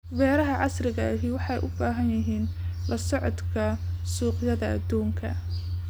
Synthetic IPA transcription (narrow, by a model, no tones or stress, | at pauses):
wɛːɾɐɦɐʕɑsrɪɣɐɐɦiwɑħɑjʔʊbaːɦɐnjɪɦiːnlɐsɔʕɔd̪kʰɐsuːqjɐðɐɐ̰d̪uːŋkʰɐ̰